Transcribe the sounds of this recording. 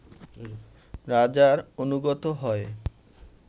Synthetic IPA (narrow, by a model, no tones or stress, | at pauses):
ɾad͡ʑaɾonuɡɔt̪oɦɔe